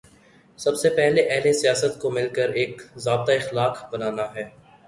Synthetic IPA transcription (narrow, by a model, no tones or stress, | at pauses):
sɐbsepɛɦleʔɛɦlesijaːsət̪komɪlkəɾeːkzaːb̚t̪aɪxlaːqbɐnaːnaɦɛː